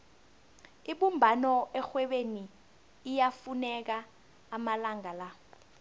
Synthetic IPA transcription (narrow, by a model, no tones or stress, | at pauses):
iɓumbʱanɔɛxwɛɓeniː | jafunɛk̬aː | malaŋala